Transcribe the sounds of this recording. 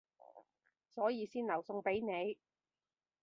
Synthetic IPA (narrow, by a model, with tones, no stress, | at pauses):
sɔː˨˥jiː˨˧siː˥nlɐ˨˩wsʊ˧ŋpe˨˥jne˨˧j